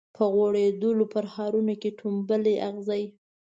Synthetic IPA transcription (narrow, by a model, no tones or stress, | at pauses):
pʰəɣoɽed̪əlopəɾxɑɾunokeʈʰumbəleʔaɣzaj